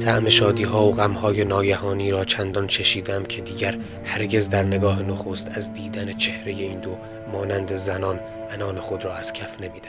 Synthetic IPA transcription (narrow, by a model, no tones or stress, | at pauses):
t̪ʰæʔme̞ʃɒːd̪iːɦɒːoɣæmhɒːje̞nɒːɡæhɒːniːɾɒːt͡ʃʰænd̪ɒnt͡ʃʰeʃiːd̪eæmcʰe̞d̪iːɟæɾ | hæɾɟe̞zd̪æɾne̞ɡɒːɦenoxo̞st̪æzd̪iːd̪ænet͡ʃʰe̞hɾe̞je̞iːnd̪o | mɒːnænd̪ezænɒːn | ʔænɒːnexod̪ɾɒːæz̥cʰæfne̞miːd̪æ